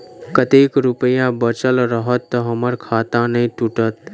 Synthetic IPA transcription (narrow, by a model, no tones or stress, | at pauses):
kət̪ikɾupəjãbət͡ʃəlɾəɦət̪ːəɦəməɾkʰaːt̪ãnəĩʈuʈət̪